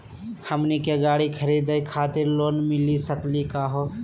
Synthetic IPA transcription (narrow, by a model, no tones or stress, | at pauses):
həmnikeɡaːɽikʰəɾiːd̪ekʰaːt̪ɪɾloːnmɪlisəklikaɦo